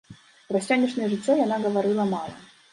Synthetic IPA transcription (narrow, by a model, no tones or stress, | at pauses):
ɾɐsʲanʲɪʂnəjəʐɨtʲːojɐnaɡəvɐɾɨlˠəmɑlˠə̰